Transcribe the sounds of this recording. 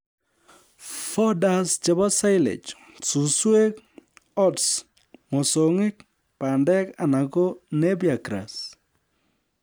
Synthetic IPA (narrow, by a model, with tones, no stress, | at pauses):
fɔ˦da˦st͡ʃa˨ba˦sa˦jlḛ˨t͡ʃ | susu˦e˦kɔ˦ts | mɔ˨soŋɪ˦k̚ | pandɛ˦kanako˦ne˦bja˨kɾa̰s